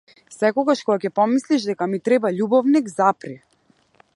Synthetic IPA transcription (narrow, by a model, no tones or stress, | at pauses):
sɛkɔɡaʃkɔɡakɛpɔmisliʃd̪ɛkamit̪ɾɛbaʎubɔvnikzapɾi